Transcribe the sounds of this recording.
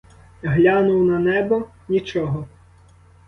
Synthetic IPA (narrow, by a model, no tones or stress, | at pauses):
ɦlʲanʊwnɐnɛbɔ | nʲit͡ʃɔɦɔ